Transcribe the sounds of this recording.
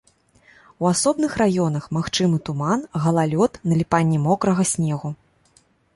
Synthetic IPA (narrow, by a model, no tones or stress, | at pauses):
wasɔbnɨxrajɔn̪ɐxmaxt͡ʂɨmɨt̪umanɣɐlˠalʲɔt̪nɐlʲipanʲːɛmɔkɾɐɣɐsʲnʲɛɣu